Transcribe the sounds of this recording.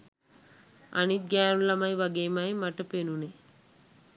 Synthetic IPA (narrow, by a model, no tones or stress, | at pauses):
ɐ̰nit̪̚ɡaːɾulɐmɐjʋɐɡeːmajmɐʈɐpenune